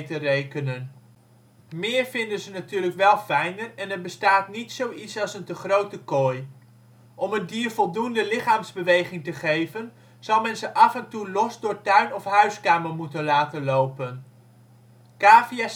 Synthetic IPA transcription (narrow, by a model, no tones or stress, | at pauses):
tərejkənən | mɪːɹvɪndənzənatyːɹləkʋɛlˠfɛjnərɛnəɹbəstaːtnitsowitsɑlˠsəntəχrowtəkoj | ʔɔməndiːɹvɔlˠdundəlɪχaːmzbəʋejχɪŋtəχejvən | z̥ɑwmɛnzəʔɑfɛntulɔzdʊːɹtœɥnɔfɦœɥskaːməɹmutənlaːtənlowpən | kaːfiɛs